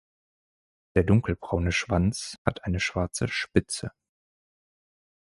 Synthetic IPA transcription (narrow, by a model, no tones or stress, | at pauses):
d̥eːɐdʊŋkl̩bʁaʊnəʃv̥ant͡shatʔaɪnəʃv̥aɐt͡səʃpɪt͡sə̰